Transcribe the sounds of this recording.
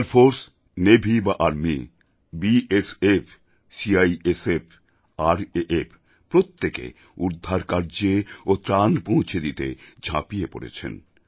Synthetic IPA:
aɾfoɾs | nebʱibaʔaɾmi | biʔesef | siajesef | aɾeʔefʰ | pɾot̪ːekḛ | ud̪ʱːaɾkaɾd͡ʑeot̪ɾanpõw̃t͡ɕʰed̪it̪ḛd͡ʑʱã̰pijepo̰ɾḛt͡ɕʰḛn

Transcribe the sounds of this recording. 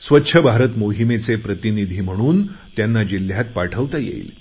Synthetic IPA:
sʋətːɕʰəbʱaɾət̪moɦimet͡sepɾət̪inid̪ʱiːm̤əɽ̃uːnt̪janːad͡ʑil̤jat̪̚paʈʰəʋt̪ajḛḭːl

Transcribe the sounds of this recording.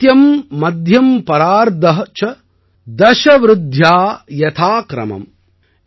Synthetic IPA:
t̪jɐmːɐd̪ʱjɐmpɐɾaːɾd̪ɐɦɐt͡ʃɐ | d̪ɐʃɐʋɾɪd̪ʱjaːjɐt̪ʰaːkɾɐ̰mɐ̰m

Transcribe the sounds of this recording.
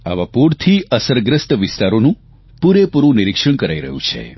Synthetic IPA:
a̰ʋapuɾt̪ʰiəsəɾɡɾəst̪ʋɪst̪aɾonũ | puɾepuɾʋũniɾikʂəɳ̃kəɾaiɾə̰ɦṵ̃t͡ʃʰḛ

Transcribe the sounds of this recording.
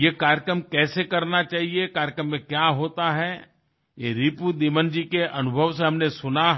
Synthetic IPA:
jekaːɾjəkɾəmkɛːsekɐɾnat͡ʃaːɦiekaːɾjəkɾəmːẽkjaːɦoːt̪aɦɛ | jeɾiːpud̪iːmənd͡ʒikeʔɐnʊbʱəʋseɦɐmnesʊna

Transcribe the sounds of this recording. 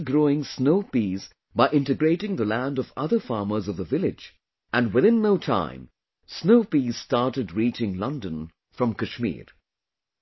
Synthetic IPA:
ɡɹoʊɪ̃ŋsnoʊpiz | baɪʔɪ̃ntɨɡɹeɪɾɪ̃ŋðəlæ̃ndʌvʌ̰ðə˞fɑɹmə˞zʌvðəvɪlˠɪd͡ʒ | ʔɨ̃nwɪðɪ̃nːoʊtʰã̰ɪ̃m | snoʊpiz̥stɑɹɾɨdɹit͡ʃɪ̃ŋlʌ̃ndə̃n | fɹʌ̃mkɨʃmḭɹ

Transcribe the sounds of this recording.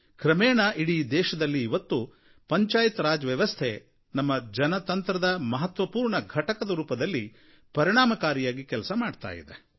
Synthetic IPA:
kɾɐmɛːɳɐʔiɽid̪ɛːʃɐd̪ɐlːiːʋɐt̪ːu | pɐɲt͡ʃaːjit̪ɾaːd͡ʒɐʋjɐʋɐst̪ʰe | nɐmːɐd͡ʒɐnɐt̪ɐnt̪ɾɐd̪ɐmɐɦɐt̪ʋɐpuːɾɳɐɡʱɐʈɐkɐd̪ɐɾuːpɐd̪ɐlːi | pɐɾiɳaːmɐkaːɾijaːɡikɛlsɐmaːɖt̪a̰ːjḭd̪e

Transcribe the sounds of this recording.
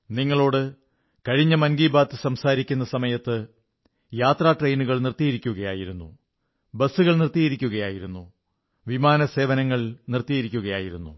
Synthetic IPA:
niŋːɐɭo̞ːɽɨ | kɐɻiɲːɐmɐnɡiːbaːt̪ːɨsɐmsaːɾikʲːunːɐsɐmɐjɐt̪ːɨ | jaːt̪raːʈrejnuɣɐɭnirt̪ijɐɾikʲːuɣɐjaːjiɾunːu | bɐsːuɣɐɭnirt̪ːijɐɾikʲːuɣɐjaːjiɾunːu | ʋimaːnɐse̞ːʋɐnɐŋːɐɭnirt̪ːijɐɾikʲːuɣɐjaːjiɾunːṵ

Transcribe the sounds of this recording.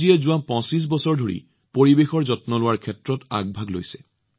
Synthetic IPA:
iɛzʊwapɔ̃sis̬bɔsɔɹdʱoɹḭ | poɹibexɔɹzɔtnɔlʊwaɹkʰɛtɹɔta̰ɡ̚bʱaɡlo̰jsɛ

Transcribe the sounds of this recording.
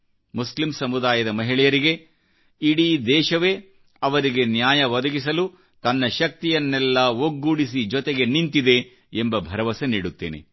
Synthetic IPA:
muslimsɐmud̪aːjɐd̪ɐmɐɦiɭɛjɐɾiɡe̞ | iɽid̪ɛːʃɐʋe | ɐʋɐɾiɡe̞njaːjɐʋɐd̪ɐɡis̬ɐlu | t̪ɐnːɐʃɐk̚t̪ijɐnːɛlːɐoɡːuɽisid͡ʒɔt̪eɡe̞nint̪id̪e̞ | embɐbʱɐɾɐʋɐseniːɽut̪ːeːnḛ

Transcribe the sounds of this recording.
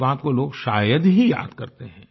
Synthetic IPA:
aːt̪̚koloːɡʃaːjəd̪ɦija̰ːd̪kɐɾt̪eɦɛ̃ː

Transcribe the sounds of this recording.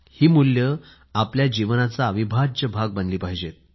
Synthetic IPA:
hiːmuljə | apljad͡ʑiʋnat͡saːʋibʱad͡ʑəbʱaɡ̚bənliːpaɦid͡ʑet̪̚

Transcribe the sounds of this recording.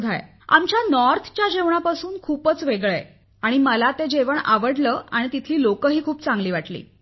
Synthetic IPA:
d̪ʱa̰jḛ | a̰mt͡ɕjanɔɾt̪ʰt͡ɕjad͡ʑeʋɳapasuːnkʰuːpət͡sʋeɡɭḛ | aɽ̃iməlat̪ed͡ʑeʋəɳa̰ʋəɽləːaɽ̃it̪it̪ʰliːlokəɦiːkʰuːpt͡sãŋɡliːʋaʈlḭː

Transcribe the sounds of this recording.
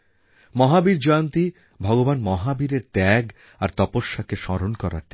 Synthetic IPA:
mɔɦabiɾd͡ʑɔant̪i | bʱɔɡobanmɔɦabiɾeɾt̪ɛɡ | aɾt̪ɔpoʃːakeʃɔɾonkɔɾa̰ɾt̪i

